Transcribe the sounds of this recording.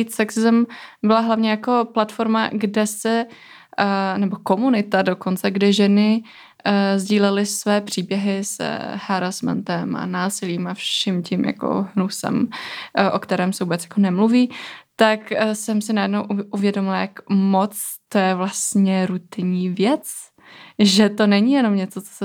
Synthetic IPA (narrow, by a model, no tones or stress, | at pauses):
isɛksɪzmbɪlaɦlavɲɛjako̞plat̪fo̞ɾma̰ɡdɛsɛ | nɛbo̞ko̞munɪt̪adoko̞nt͡sɛɡdɪʒɛnɪ | zɟiːlɛlɪsvɛːpr̝̥iːbjɛɦɪshaɾasmɛ̰nt̪ɛma̰naːsɪliːmafʃʃɛmcɪmja̰ko̰ɦnusɛ̰mʔokt̪ɛɾɛːmsɛvuːbɛt͡sjḁko̞nɛmluviːt̪aksɛmsɪnajɛdno̞wʔuvjɛdomɪlajakmot͡st̪ojɛvlast̪ɲɛɾut̪ɪɲiːvjɛt͡s | ʒɛt̪o̞nɛɲijɛno̞mɲɛt͡so̞t͡so̥sɛ